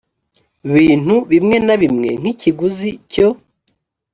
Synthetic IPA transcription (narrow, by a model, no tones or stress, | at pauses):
βiːn̥huβimŋe̞naβimŋe̞̰ŋ̥hiciɡuzico